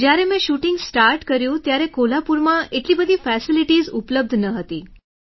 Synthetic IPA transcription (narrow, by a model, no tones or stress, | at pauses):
d͡ʑjaɾẽmẽɕuʈiŋɡsʈaɾʈkəɾjũt̪jaɾẽkolapuɾmaeʈliːbəd̪ʱiːfæsiliʈiːzupləb̚d̪ʱnəɦət̪iː